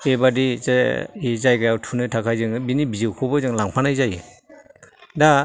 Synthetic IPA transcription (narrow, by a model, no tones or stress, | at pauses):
ebadi | ezajɡajawtʰunɯtʰakʰajzɯŋɯbinibizɯwkʰɔbɯzɯŋlaŋpʰanɯjzajɯ | da